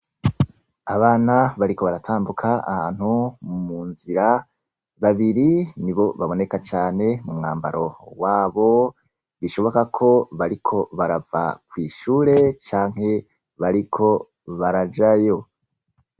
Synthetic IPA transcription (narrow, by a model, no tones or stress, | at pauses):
aβaːnaβaɾiko̞βaɾatʰaːmbukʰaa̰haːn̥humuːnziɾa | βaβiɾiniβo̞βaβo̞ne̞kat͡ʃaːne̞mumŋaːmba̰ɾo̞waːβo̞ | βiʃo̞βo̞kakʰo̞βaɾikʰo̞βaɾava̰kwiːʃuːɾe̞t͡ʃaːŋ̥ɦe̞ | βaɾikʰo̞ | βaɾad͡ʒajo̞